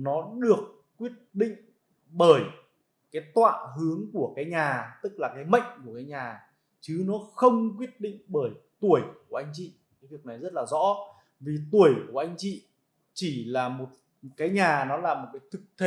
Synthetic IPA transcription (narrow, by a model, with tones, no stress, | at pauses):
nɔ˨˦ɗɨ˨˩əkːwi˦˥ət̚ɗḭ˧˨ŋ̟ | ɓəː˧˩j | kaː˨˦jt̪wa̰ː˧˨ɦɨ˨˦əŋku˧˩əkaː˨˦jɲaː˨˩t̪ɨ˦˥k̚laː˨˩kaː˨˦jmə̰˧˨jŋ̟ku˧˩əkaː˨˦jɲaː˨˩ | t͡ɕɨ˨˦nɔ˨˦xə˧wŋ͡mk̬wi˦˥ət̚ɗḭ˧˨ŋ̟ɓəː˧˩jt̪u˧˩əjku˨˩əʔa˧jŋ̟t͡ɕḭ˧˨ | kaː˨˦jvi˨˩ək̚na˨˩jzə˦˥t̚laː˨˩zɔ̰˧˥ | vi˨˩t̪u˧˩əjku˧˩əʔa˧jŋ̟t͡ɕḭ˧˨ | t͡ɕi˧˩laː˨˩mo˨˩t̚ | kaː˨˦jɲaː˨˩nɔ˨˦laː˨˩mo˨˩t̚kaː˨˦jt̪ʰɨ˨˩k̚t̪ʰe˧